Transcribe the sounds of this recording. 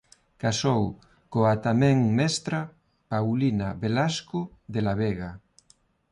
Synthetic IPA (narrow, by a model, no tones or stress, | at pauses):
kasow | koat̪amɛ̃ŋmɛst̪ɾa | pawlinaβelaskoðelaβeɣa